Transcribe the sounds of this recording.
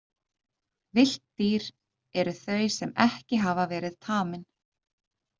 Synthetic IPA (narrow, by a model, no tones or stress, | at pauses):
vɪl̥t̪t̪iːɾ | ɛɾʏθœɥsɛmɛhcɪɦavavɛːɾɪðt̪ʰaːmɪn